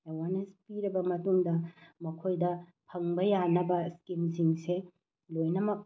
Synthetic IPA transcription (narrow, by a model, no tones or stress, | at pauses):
ewaɾnespiɾɐbɐmɐtuŋdɐmɐkʰojdɐpʰɐŋbɐjanɐbɐskimsiŋse | lojnɐmɐk̚